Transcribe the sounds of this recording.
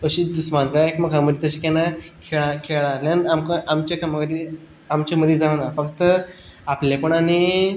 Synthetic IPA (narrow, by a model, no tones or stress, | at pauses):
əɕid̪usmanʋaekməɡaməd̪it̪əɕ̬ikanakʰeɭakʰeɭãlanamkaʔamt͡ɕekamaɡad̪i | amt͡ɕaməd̪id͡zãnafəkt̪ə | aplepəɳani